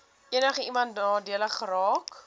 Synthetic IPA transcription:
iənəχəimɐntnɑːdiələχəɾɑːk

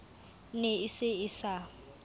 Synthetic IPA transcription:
neɪsɪɪsa

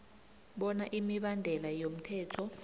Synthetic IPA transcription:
ɓɔnaʔimiɓandʱɛlajom̩tʰɛːtʰɔ

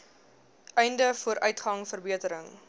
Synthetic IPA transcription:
ʔɛjndəfuəɾʔœɥtχɐŋfərbiətəɾəŋ

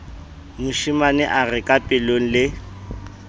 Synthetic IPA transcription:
mʊʃimanɛʔarɪkʼapʼɪloŋ̩lɪ

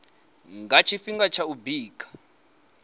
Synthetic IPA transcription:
ŋɡat͡ʃʰifiŋɡat͡ʃʰaubiːkʰʼḁ

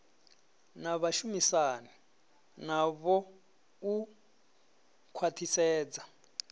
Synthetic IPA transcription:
naβaʃumisani | naβɔ | u | kʰwatʰisɛːd͡za

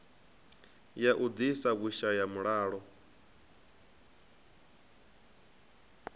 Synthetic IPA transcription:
jaʔud̪isaɣuʃajamuɺaːɺɔ

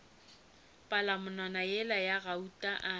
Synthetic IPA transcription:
pʼalamʊnanajɛlajaɣautʼaʔa

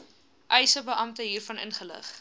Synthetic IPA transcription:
ʔœjsəbəʔɐmtəɦiːrfɐnə̰nχələ̰χ

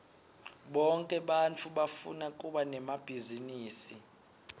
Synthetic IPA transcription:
ɓɔŋkʼɛɓant͡fʰuɓafṵnakʼuɓanɛmab̥ʱiziniːsi

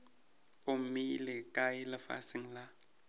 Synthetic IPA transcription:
ʊm̩milɪkʼaɪlɪfa̰sɪŋ̩la

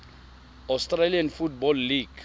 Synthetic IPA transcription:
astʼralianfut̚bɔlːiɡ̥

